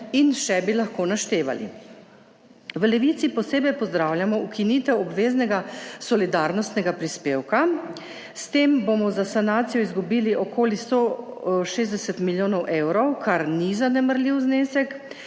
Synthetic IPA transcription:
inʃɛbilaxkoːnaʃt̪eːʋa̰lḭ | ʋlɛʋit̪sipɔseːbɛjpɔzd̪ɾaːwljamɔukiniːt̪ɛwɔbʋeːznɛɡasɔlid̪aɾnɔst̪nɛɡapɾispeːwka | st̪eːmbomɔzasanaːt̪sijɔizɡubiːliʔɔkoːlist̪oʃeːzd̪ɛsɛt̪miljoːnɔwʔewɾɔwkaɾnizanɛməɾlʲiwzneːsɛk

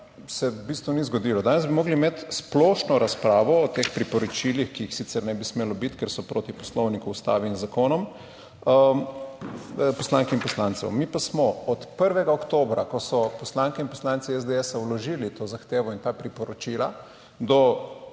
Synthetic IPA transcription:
sɛbist̪ʋunizɡɔd̪iːlɔd̪aːnɛzbimɔːɡlimeːt̪sploʃnɔɾaspɾaːʋɔːt̪eːxpɾipɔɾɔt͡ʃilixkiixsit̪sɛɾnɛbismeːlɔbit̪kɛɾsɔpɾoːt̪ipɔslɔwnikuust̪a̰ːʋinzakoːnɔm | pɔslaːŋkɛinpɔslaːntsɛ̰wmipasmɔɔt̪pəɾʋɛɡaokt̪oːbɾakɔsɔpɔslaːŋkɛinpɔslaːnt̪siɛzd̪eɛsawlɔʒiːlit̪oːzaxt̪eːʋɔint̪aːpɾipɔɾɔt͡ʃila̰ | d̪ɔ

